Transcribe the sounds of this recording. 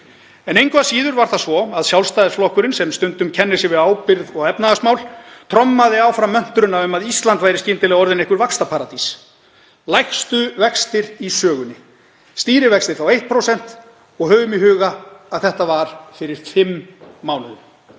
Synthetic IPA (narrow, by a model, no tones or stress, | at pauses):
ɛnejŋkœvasiːðʏɾvaɾ̥θasvɔaðsjawlst̪ajðsflɔhkʏɾɪnsɛmst̪ʏnt̪ʏmcʰɛnːɪsɪvɪðaːwpɪɾðɔɣɛpnaðasmaːwlt̪ʰɾɔmːaðɪawfɾawmœn̥t̪ʏɾʏnːaʏmaðist̪lant̪vajɾɪscɪnt̪ɪlɛɣaɔɾðɪnehkvʏɾvakst̪apʰaːɾat̪is | lajxst̪ʏvɛkst̪ɪɾisœːɣʏnːɪ | st̪iːɾɪvɛkst̪ɪɾ̥θawejht̪̚pʰɾowsɛn̥t̪ | ɔɣɦœːɣʏmiɦʏːɣaaðθɛht̪avaɾ̥fɪɾɪɾ̥fɪmːaːwnʏʏm